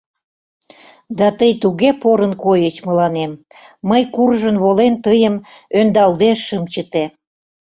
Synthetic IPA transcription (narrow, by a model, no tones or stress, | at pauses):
d̪ɑt̪əjt̪uɣepoɾənkojət͡ɕməlɑnemː | əjkurʒənβolent̪əjəmønd̪ɑld̪eʃːəmt͡ɕət̪e